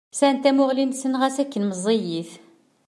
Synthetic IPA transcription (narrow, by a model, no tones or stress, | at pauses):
sænt̪æmʊʁlinsənʁæsækːənməzˤːejiθ